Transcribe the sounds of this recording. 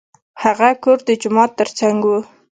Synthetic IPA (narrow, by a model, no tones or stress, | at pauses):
haɣakoɾd̪əd͡ʒʊmɑt̪ːəɾt͡saŋɡwu